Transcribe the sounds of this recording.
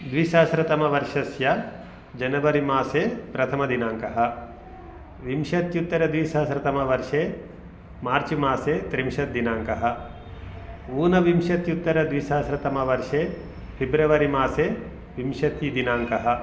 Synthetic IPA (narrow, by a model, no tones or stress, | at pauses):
d̪ʋiʃaːsɾɐt̪ɐmɐʋɐɾʂɐsjɐ | d͡ʒɐnɐʋɐɾimaːseːpɾɐt̪ʰɐmɐd̪inaːŋkɐɦɐ̆ | ʋimʃɐt̪jut̪ːɐɾɐd̪ʋiʃaːsɾɐt̪ɐmɐʋɐɾʂeː | maːɾt͡ʃimaːseːt̪ɾimʃɐt̪̚d̪inaːŋkɐɦɐ̆ | uːnɐʋimʃɐt̪jut̪ːɐɾɐd̪ʋiʃaːsɾɐt̪ɐmɐʋɐɾʂeː | pʰibɾɐʋɐɾimaːseː | ʋimʃɐt̪id̪inaːŋkɐɦɐ̆